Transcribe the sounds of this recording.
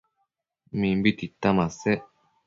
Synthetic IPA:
mĩmbit̪it̪ːamase

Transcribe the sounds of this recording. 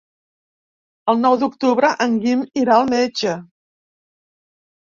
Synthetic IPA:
əlˠnɔwd̪ukt̪uβɾəʔəŋɡimiɾaəlˠmed͡ʒə

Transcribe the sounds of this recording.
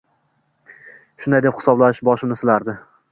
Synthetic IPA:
ʃʊnd̪ajd̪ephɪ̥sɒblaɪʃbɒʃɪmɪsɪlaɾd̪ɪ

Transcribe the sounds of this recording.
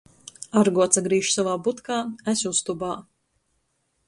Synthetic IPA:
aɾɡuɔt̪saɡɾiːʃsavaːbut̪kaːæsʲust̪ubaː

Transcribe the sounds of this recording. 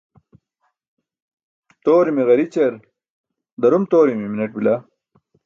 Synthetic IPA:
t̪oːɾimiɣɐɾit͡ɕɐɾ | d̪ɐɾumt̪oːɾimiminɐʈ̚bila

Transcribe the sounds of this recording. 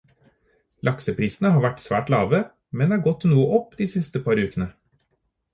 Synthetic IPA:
lʔɑksəpʰɾiːsn̩əhɑːɾʋæʈsʋæ̰ːʈlɑːʋə | mɛnd̪ehɑːɾɡɔt̪ːnuːəʔɔpːd̪iːsɪst̪əpʰɑɾʉːkənə

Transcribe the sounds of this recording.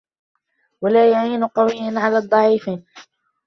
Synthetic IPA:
walaːjaʕiːnʊqɑwɪjːanʕalaːd̪ˤːɑʕiːfn

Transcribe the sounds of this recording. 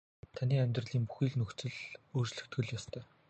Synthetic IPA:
t̪ʰaniːæmʲt̪rə̆ɮiːŋpu̥xiːɮnɵkt͡sɘ̆ɮoːrt͡ɕɮɵ̆xt̪ɡɘ̆ɮjɔst̪ʰœː

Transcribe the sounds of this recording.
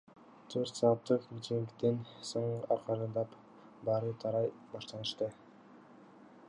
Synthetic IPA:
t̪ʰøɾt̪sɑːp̚t̪ːɯqmit̪iŋt̪ensoɴʔɑɾqɑɾɯnd̪ɑp | bɑɾɯt̪ʰɑɾɑj | bɑʃt̪ɑnɯʃt̪ɯ

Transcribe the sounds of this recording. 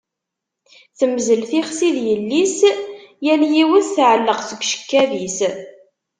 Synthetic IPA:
θəmzəlθiχsiðjəlːisjæljiwənθʕəlːəqsəɡʷʃə̥kːæðis

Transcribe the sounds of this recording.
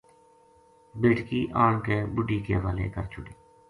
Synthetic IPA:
beːʈkiːʔaːɳkeːbʊɖiːkḛːʋaːlḛːkə̰ɾt͡ʃʰʊɽiː

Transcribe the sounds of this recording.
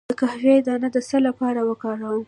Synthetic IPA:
əkahved̪ɑnad̪əsəlapɑɾawəkɑɾawəm

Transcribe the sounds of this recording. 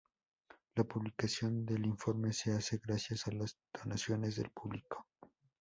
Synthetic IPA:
lapuβlikasjo̞nd̪e̞liɱfo̞ɾme̞se̞ase̞ɣɾasjasalazd̪̥o̞nasjo̞ne̞zðe̞̰lpuβliko̥

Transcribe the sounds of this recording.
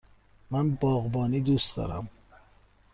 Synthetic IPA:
mænbɒːɣbɒːniːd̪uːsd̪ɒ̰ːɾæ̰m

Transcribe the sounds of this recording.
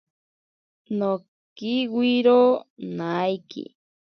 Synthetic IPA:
no | kiwiɾonajkḭ

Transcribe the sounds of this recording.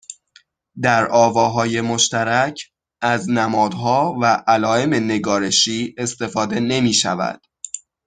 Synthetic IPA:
d̪æɾʔɒːvɒːɦɒːje̞mo̞ʃt̪æɾæcʰ | ʔæznæmɒːd̪ɦɒːvæʔælɒːe̞me̞ne̞ɡɒːɾe̞ʃiːe̞st̪e̞fɒːd̪e̞ne̞miːʃæ̰væ̰d̪̥

